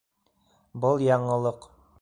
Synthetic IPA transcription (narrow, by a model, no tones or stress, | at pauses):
bɤlˠjɑɴɤ̆lˠɤq